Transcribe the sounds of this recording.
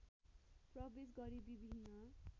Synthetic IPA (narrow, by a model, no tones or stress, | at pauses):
prʌbes̬ɡʌɾibibʱinːʌ